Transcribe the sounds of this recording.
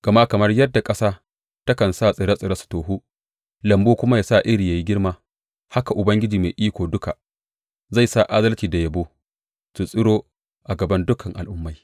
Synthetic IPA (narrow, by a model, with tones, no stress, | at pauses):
ɡ̥ɐ˨ma˦kɐ˨mɐ˦rjɐ˦dːa˨kʼɐ˦saː˦ | tɐ˦kɐ˨nsaː˦˨sʼɪ˨ɾɐ˦sʼɪ˨ɾɐ˦su̥˨toː˨ɦu˦ | lɐ˨mboː˦kʷʊ˦ma˦jaː˨sa˦˨ʔɪ˦ɾi˨jaː˨ji˦ɡʲɪ˦rmaː˦ | ha˦ka˨ʔʊ˨bɐ˦ŋɡʲɪ˦d͡ʒiː˨me˨jʔiː˦kʷoː˨dʊ˦ka˨ | za˦˨jsa˦˨ʔa˦dɐ˦lt͡ʃiː˨da˨jɐ˨boː˦ | su˨sʼɪ˦ɽoː˦ | ʔa˨ɡɐ˨bɐ˦ndʊ˦kʰɐ˨ŋʔa˨lʔʊ˦mːa˨j